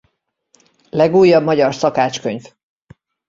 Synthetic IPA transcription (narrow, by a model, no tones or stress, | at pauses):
lɛɡuːjːɒbmɒɟɒrsɒkaːt͡ʃkøɲv